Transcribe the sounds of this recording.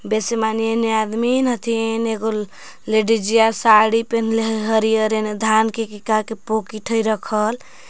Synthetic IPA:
besemanijenead̪minɦət̪ʰineɡo | leɖid͡ʒijasaɽipenleɦɦəɾijəɾened̪ʱankekikakepokiʈʰəjɾəkʰəl

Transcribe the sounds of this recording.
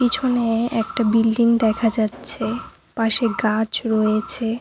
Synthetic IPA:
kit͡ɕʰoneɛk̚ʈabilɖiŋd̪ɛkʰad͡ʑatːɕʰe | paʃeɡãt͡ɕɾɔjet͡ɕʰe

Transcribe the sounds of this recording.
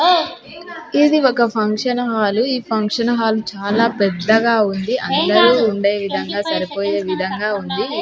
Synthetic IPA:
id̪iɔkɐpʰɐŋkʂɐnɐɦaːluiːpʰɐŋkʂɐnɐɦaːlut͡ʃaːlaːpɛd̪ːɐɡaːund̪iʔɐnd̪ɐɾuːɳɖe̞ːʋid̪ʱɐŋɡaːsɐɾipoːje̞ːʋid̪ʱɐŋɡaːund̪i

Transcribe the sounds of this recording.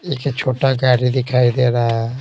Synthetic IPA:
ekt͡ʃʰoːʈaɡaːɾid̪ɪkʰaːid̪eɾaː

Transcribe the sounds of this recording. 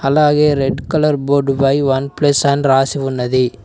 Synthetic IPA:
ɐlaːɣeɾɛɖkɐlɐɾboːɖbɐɪʋɐnplɐsɐnɾaːsiʋʊnːɐði

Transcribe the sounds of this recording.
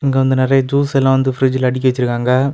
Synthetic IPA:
ɪŋɡeʋɐnd̪ɯnɪɾɐjɐd͡ʒuːsɛlːãːʋɐnd̪ɯfɪɾɪd͡ʒɪlɐɽɪk̬ʲːɐʋɛt͡ʃːɪɾɯkːaːŋɡɐ

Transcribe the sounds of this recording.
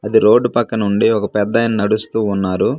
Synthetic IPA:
ɐd̪iɾo̞ːɖːupɐkːɐnuɳɖiɔkɐpɛd̪ːɐjnɐnɐɽust̪uːnːaːɾu

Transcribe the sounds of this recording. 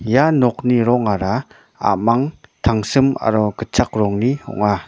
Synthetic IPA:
janɔk̚niɾɔŋaɾa | a̰maŋt̪ʰaŋsɯma̰ɾɔkət͡ʃak̚ɾɔŋnihɔ̰ŋa

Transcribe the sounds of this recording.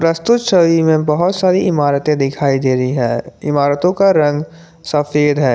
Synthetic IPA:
pɾəst̪ʊt̪ʃəʋimẽbɐɦʊt̪saːɾiɪmaːɾət̪ẽd̪ɪkʰaːid̪eːɾəɦiɦɛ̃ːɪmaːɾət̪õkaɾɐ̃ŋɡ | sɐfeːd̪ɦɛː

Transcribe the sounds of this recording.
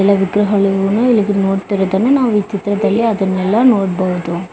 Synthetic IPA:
ɛlːɐʋɪkɾɐɣɐɭɯonɐɪlːɐkːɯnoːʈ̚t̪ɛɾɐt̪ɐnɐnãːʋit͡ʃːɪt̪ːɾɐt̪ɐlːeɐðɐnɛlːãːnoːʈ̚bɐɣɐt̪ːõː

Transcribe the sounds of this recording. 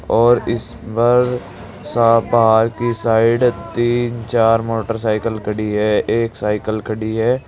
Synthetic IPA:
ɔːɾɪs | pəɾ | saːbaɦaːɾkisaːɪɖt̪iːnt͡ʃaːɾmoːʈəɾs̬aːɪkəlkʰəɽiɦɛeːksaːɪkəlkʰəɽiɦɛː

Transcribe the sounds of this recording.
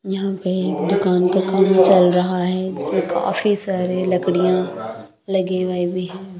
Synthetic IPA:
jɐɦãpeːkd̪ʊkaːnkakɐmt͡ʃɐlɾɐɦaɦɛːd͡ʒɪsmẽka̰ːfisaːɾilɐkɽijã | lɐɡeʋaibiɦɛ̃ː

